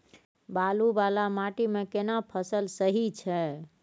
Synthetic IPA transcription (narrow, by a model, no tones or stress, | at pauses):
balubalamaʈimekenapʰəsəlsəɦit͡ʃʰɛ